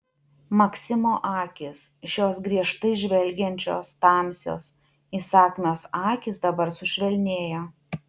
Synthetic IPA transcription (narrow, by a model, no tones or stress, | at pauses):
mɐksʲɪmoːʔɑːkʲɪsʃʲoːsɡɾʲiɛʃt̪ɐɪʒʲʋʲɛlʲɡʲɛnʲt͡ʃʲo̰ːst̪ɑˑmʲsʲo̰ːs | isɑːkʲmʲoːsɑːkʲɪsd̪ɐbɐɾsʊʃʲʋʲɛlʲnʲeːjoː